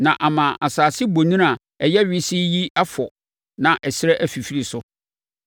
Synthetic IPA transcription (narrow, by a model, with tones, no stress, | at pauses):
nã˨ʔa˨mã˨ʔa˨saː˨sɪ˦bo˨nĩ˦a˨ | ɛ˨jɛ˦ɥɪ˦si˦ji˦a˦fɔ˨ | nã˨ʔɛ˨ɕɪ˦ɾɛ˦ʔæ˦fi˨fi˦ɾi˨sʊ˦